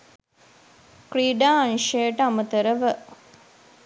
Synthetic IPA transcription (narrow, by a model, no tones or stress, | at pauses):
kɾiːɖaːɐnʃejʈəamət̪əɾəʋə